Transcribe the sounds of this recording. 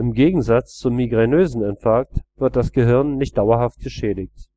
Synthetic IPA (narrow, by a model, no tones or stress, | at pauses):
ʔɪmɡeːɡŋ̩zat͡st͡sumːiɡʁenøːzn̩ɛntfɛɐk̚tv̥ɪɐt̚d̥asɡ̥əɦɪɐnːɪçt̚d̥aʊɐɦaft̚ɡ̥əʃɛːdɪçt